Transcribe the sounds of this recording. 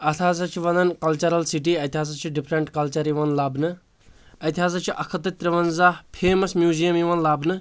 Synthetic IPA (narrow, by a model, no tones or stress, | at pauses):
ɐt̪ʰaːzat͡ʃʰiʋɐnd̪ɐnkɐlt͡ʃɐɾɐlsiʈ̬iːɐjt̪ʲiɦaːs̬at͡ʃʰiɖipʰɾɐɳʈkɐlt͡ʃɐɾiʋɐnlaːbnɨ | ɐt̪iɦaːzat͡ʃʰiʔɐkʰɐt̪ɐt̪ɾɐʋɐnzapʰeːmɐsmjuːzijɐmiʋɐnlaːbnɨ